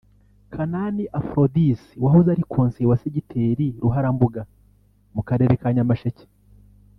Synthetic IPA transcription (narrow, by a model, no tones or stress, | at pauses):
kʰananiʔafɾodisiwaɦozaɾikʰoːnsiwaseɟitʰeːɾiɾuɦaɾambuɡa | mukaɾe̞ɾekaːɲamaʃece̥